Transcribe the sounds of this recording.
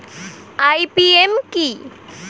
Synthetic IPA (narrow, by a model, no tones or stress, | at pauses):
ajpiemki